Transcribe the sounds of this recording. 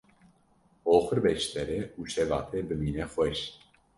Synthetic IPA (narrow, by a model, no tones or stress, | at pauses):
oːxəɾbɛʃt̪ɛɾɛuːʃɛvɑ̰ːt̪ʰɛbɨmiːnɛxʷwɛʃ